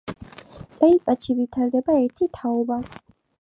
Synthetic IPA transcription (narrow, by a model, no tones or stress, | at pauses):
tʼɛipʼat̪ʃivit̪ʰaɾd̪ɛbaɛɾt̪ʰit̪ʰaɔba